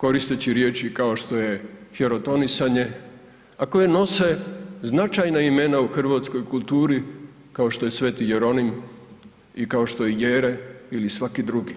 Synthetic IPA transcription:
ko̞ɾist̪et͡ɕiɾje̞ːt͡ʃikao̞ʃt̪o̞je̞xeɾo̞t̪o̞nisaɲe̞ | ako̞jeno̞se̞znat͡ʃajnaime̞nauxr̩ʋaːt̪sko̞jkulˠt̪uːɾi | kao̞ʃt̪o̞jesʋe̞ːt̪ijeɾo̞nim | ikao̞ʃt̪o̞jejeːɾeilisʋakid̪ɾuɡi

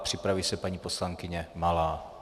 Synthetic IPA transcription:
pr̝̥ɪpɾavisɛpaɲiːpo̞slaŋkɪɲɛmalaː

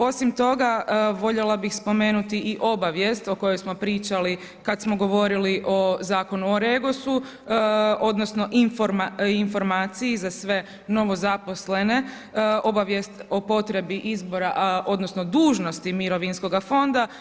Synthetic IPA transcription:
o̞simt̪o̞ɡaʋo̞ʎelˠabixspo̞me̞ːnut̪iʔiʔo̞baʋje̞st̪o̞ko̞jojsmo̞pɾiːt͡ʃali | kad̪smo̞ɡo̞ʋo̞ɾiliʔo̞zaːko̞nuoɾe̞ɡosu | o̞d̪no̞sno̞ʔinfoɾmainfo̞ɾmaːt̪sijizasʋe̞ | no̞ʋozapo̞sle̞ne̞ | o̞baʋje̞st̪o̞po̞t̪ɾe̞biʔizbo̞ɾaʔo̞d̪no̞snod̪uːʒno̞st̪imiɾo̞ʋinsko̞ɡafo̞nd̪a

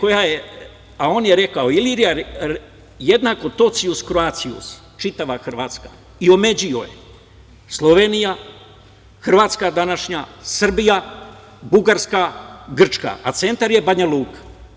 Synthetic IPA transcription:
ko̞jaje | ao̞ːnje̞ɾe̞kaoiliɾijaɾ | jed̪nako̞t̪o̞t̪siuskɾoat̪siṵs | t͡ʃit̪aʋaxr̩ʋaːt̪ska̰ | io̞me̞d͡ʑio̰jḛ | slˠo̞ʋe̞nija | xr̩ʋaːt̪skad̪anaʃɲasr̩bija | buɡaɾskaɡr̩t͡ʃka̰at̪se̞nt̪aɾje̞baɲaluːkḁ

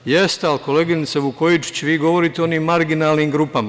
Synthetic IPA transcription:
jest̪ealko̞leːɡinit̪seʋukojit͡ʃt͡ɕeʋiːɡo̞ʋo̞ɾit̪io̞niːmːaɾɡinaːlniːmɡɾuːpama

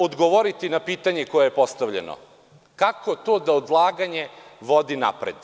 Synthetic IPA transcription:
od̪ɡoʋoɾit̪inapiːt̪aɲekojejepost̪aʋʎḛno̰ | kakʰo̞t̪oːd̪aod̪lˠaːɡaɲe̞ʋo̞d̪ina̰pɾḛd̪

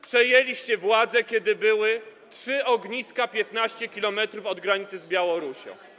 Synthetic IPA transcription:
pʂɛjelʲiɕt͡ɕɛvwad̪zɛkʲjɛd̪ɘbɘwɘtʂɘɔɡɲiskapʲjɛt̪naɕt͡ɕɛkʲilɔmɛt̪ɾufɔd̪ɡɾaɲit̪sɘzbʲjawɔɾuɕɔ̰̃w̃

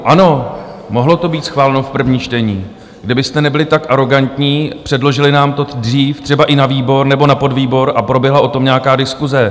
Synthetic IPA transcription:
ʔano̞mo̞ɦlo̞t̪o̞biːt̪sxvaːlɛnofpr̩vɲiːt͡ʃt̪ɛɲiː | ɡdɪbɪst̪ɛnɛbɪlɪt̪akʔaɾo̞ɡant̪ɲiːpr̥ɛdlo̞ʒɪlɪnaːmt̪o̞driːft̪r̥ɛbaʔɪnaviːbo̞ɾnɛbo̞napo̞dviːbo̞ɾʔapɾo̞bjɛɦlaʔo̞t̪o̞mɲɛakaːdɪskuzɛ

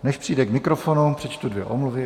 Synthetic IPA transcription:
nɛʃpr̥ijdɛkmɪkɾofonupr̝̥ɛt͡ʃt̪udvjɛ̰ʔomluvɪ

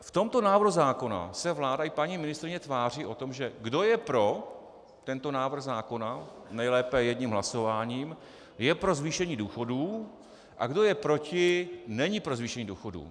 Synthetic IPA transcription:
ft̪o̞mt̪o̞naːvɾr̩huzaːko̞na̰sɛvlaːdaʔɪpaɲiːmɪnɪst̪ɾɪɲɛt̪vaːr̝iːʔo̞t̪o̞mʒɛɡdo̞jɛpɾo̞ | t̪ɛnt̪o̞naːvr̩ɣzaːko̞na | nɛjlɛːpɛjɛdɲimɦlaso̞vaːɲiːm | jɛpɾo̞zviːʃɛɲiːduːxo̞duː | ʔa̰ɡdo̞jɛpɾo̞cɪnɛɲɪpɾo̞zviːʃɛɲiːduːxo̞dṵː

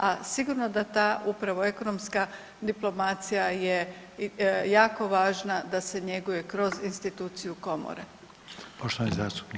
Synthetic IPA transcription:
asiɡuɾno̞d̪at̪aːʔupɾaʋo̞e̞ko̞nomska | d̪iplˠo̞mat̪sijaje̞ | jaːko̞ʋaːʒnad̪ase̞ɲe̞ɡuje̞kɾo̞zinst̪it̪uːt̪sijuko̞mo̰ɾḛ | poʃt̪oʋanizaːst̪u̥pni

